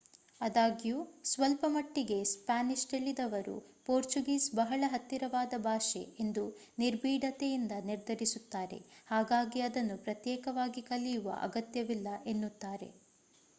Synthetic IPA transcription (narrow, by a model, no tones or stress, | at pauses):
ɐd̪aːɡijusʋɐlpɐmɐʈːiɡe̞spaːniʂʈeɭːid̪ɐʋɐɾṵpoːɾt͡ʃuɡiːsbɐɦɐɭɐɦɐt̪ːiɾɐʋaːd̪ɐbʱaːʂḛend̪u | niɾbiːɖɐt̪ɛjind̪ɐniɾd̪ʱɐɾisut̪ːaːɾe̞̰haːɡaːɡiɐd̪ɐnːupɾɐt̪jɛːkɐʋaːɡikɐlːijuʋɐ̰ʔɐ̰ɡɐt̪jɐʋilːɐʔe̞nːut̪ːaːɾe̞̰